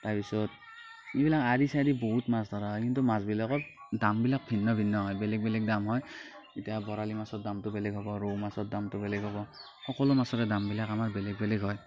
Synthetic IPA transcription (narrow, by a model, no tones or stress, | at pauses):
taɹpisɔt̚ | ebilakaɹisaɾiboɦutmastʰaɹaɦɔjkintumazbilakɔt̚ | dambilak̚bʱinːɔbʱinːɔɦɔjbɛlɛɡ̚bɛlɛɡ̚damɦɔj | itijabɔɹalimasɔt̚damtʊbɛlɛɡɦɔbɔɹomasɔt̚damtʊbɛlɛɡʱɦɔbɔ | xɔkɔlʊmasɔtɛdambilakamaɹbɛlɛɡ̚bɛlɛɡɦɔj